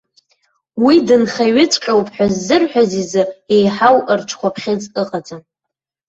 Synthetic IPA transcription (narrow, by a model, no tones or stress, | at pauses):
widɨnχaɥɪt͡sʼqʲʼawpʼħʷᶣazːɨrħʷᶣazizɨejħawrʈ͡ʂʷʰkʷapʰχʲet͡sʼɨqʼad͡zʼa